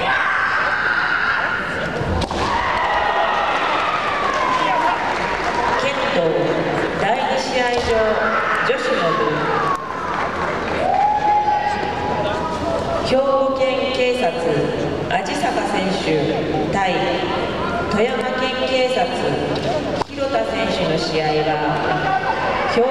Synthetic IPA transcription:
kẽ̞nt̪oː | d̪aiɲiɕiaiʑo̞ːd͡ʑo̞ɕinodɯ | kʲo̞ːɡokẽ̞ŋke̞ːsat͡sɨ | ad͡ʑisakasẽ̞ɰ̃ɕɨ | t̪ai | t̪o̞jamakẽ̞ŋke̞ːsat͡sɨ | kʲi̥kʲiɾo̞t̪asẽ̞ɰ̃ɕɨno̞ɕiaiβa | kʰʲoː

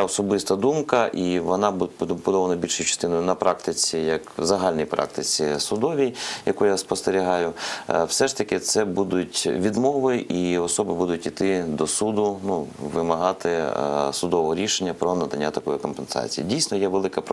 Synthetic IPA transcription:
ɛɔsɔbɪst̪ɐd̪umkɐʔiʋɔnɑbbʊd̪ɔʋɐnɐbʲilʲʃʊjʊt͡ʃɐ̥st̪ɪnɔjʊnɐpɾʔɑkt̪ɪt͡sʲijɐkzɐɦɑlʲnɔjpɾʔɑ̰k̚t̪ɪt͡sʲisʊd̪ɔʋʲijjɐkujaspɔst̪eɾʲiɦɑjʊwsɛʃt̪ɐkɪt̪sɛbud̪ʊtʲʋʲid̪mɔʋɪʔiɔsɔbɪbud̪ʊtʲit̪ɪd̪ɔsud̪ʊnuʋɪmɐɦɑt̪ɪsʊd̪ɔʋɔɦɔɾʲiʃenʲːɐpɾɔnɐd̪ɐnʲːat̪ɐkɔjikɔmpensɑ̰t͡sʲijḭdʲijsʲnɔjɛʋelˠɪkɐpɾ

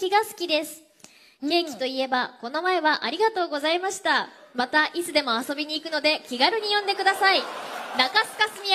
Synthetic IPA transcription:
kʲiɡasɨ̥kʲid̪e̞sɨ̥ | ke̞ːkʲi̥t̪o̞ie̞bako̞no̞mae̞βaʔaɾʲiɡat̪o̞ːɡo̞zaimaɕi̥t̪amat̪aʔit͡sɨd̪e̞mo̞aso̞bʲiɲ̟iːkɯ̟no̞d̪e̞kʲiɡaɾɯ̟ɲ̟ijõ̞nd̪e̞kɯ̟d̪asainakasɨ̥kasɨmʲi

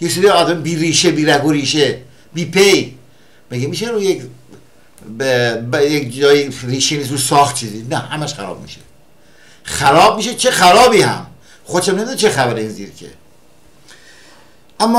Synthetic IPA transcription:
jes̬iːdiɒːd̪æmbiːɾiːʃebiːɾæɡoɾiːʃe | biːpʰej | beɡemiːʃeɾujek | ebjekd͡ʒɒːjiriːʃeniːsɾusɒːxt̪̚t͡ʃʰiːzinæhæmæʃxæɾɒ̰b̚mḭʃe̥̰ | xæɾɒːb̚miːʃet͡ʃʰexæɾɒːbiːhæ̰m | xoeʃæmnemid̪et͡ʃʰexæbæɾeiːnziːɾkʰḛ | ʔæmːɒ

